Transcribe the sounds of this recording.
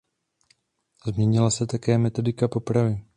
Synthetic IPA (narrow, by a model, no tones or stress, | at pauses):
zmɲɛɲɪlasɛt̪akɛːmɛt̪o̞dɪkapo̞pɾavɪ